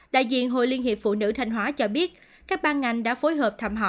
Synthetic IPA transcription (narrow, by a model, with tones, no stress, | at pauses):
ɗa̰ː˧˨jzḭ˧˨ənɦo̰˧˨li˧ənhi˨˩əp̚fṵ˧˨nɨ̰˧˥t̪ʰa˧jŋ̟ɦwaː˨˦t͡ɕɔ˧ɓi˦˥ət̚ | kaː˦˥k̚ɓaː˧nŋa˨˩jŋ̟ɗa̰ː˧˥fo˨˦jɦəː˨˩p̚t̪ʰaː˧mɦɔ̰˧˨